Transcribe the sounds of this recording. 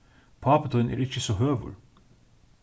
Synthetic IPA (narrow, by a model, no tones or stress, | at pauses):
pʰɑːpət̪ʰɔʏnḛːɾɪçəsɔhøːʋʉ̰l